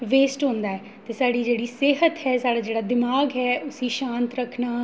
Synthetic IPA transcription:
ʋeːsʈɦõnd̪aːɛː | t̪eːsaːɽiːd͡ʒeːɽiːseːɦət̪ɦɛːsaːɽaːd͡ʒeːɽaːd̪ɪmaːɡɦɛːʔʊsiːʃãːnt̪ɾəkʰnaː

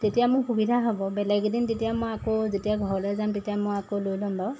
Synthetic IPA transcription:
tetijamʊɹxubidʱaɦɔbɔbɛlɛɡdintetijamɔjakozetijaɡʱɔɹɔlɔjzamtetijamɔjakolojlɔmbaw

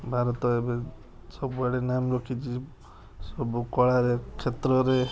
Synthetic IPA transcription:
bʱaɾɔt̪ɔebe | sɔbbaɽenamɾɔkʰit͡ʃʰi | sɔbukɔɭaɾekʰet̪ɾɔɾe

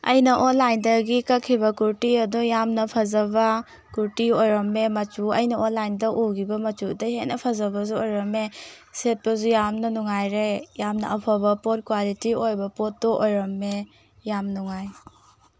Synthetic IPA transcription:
ɐ̰jnɐʔɔnlajndɐɡikɐkʰːibɐkuɾtiɐdujamnɐpʰɐzɐbɐ | kuɾtiojɾɐmːemɐt͡ʃuɐjnɐonlajndɐʔuɡibɐmɐt͡ʃudɐɦeʔnɐpʰɐzɐbɐzuojɾɐmeset̚bɐzujamnɐnuŋajɾejamnɐ̰ɐpʰabɐpɔt̚kwalitiojbɐpotːɔʔojɾɐmːe | jamnuŋaj

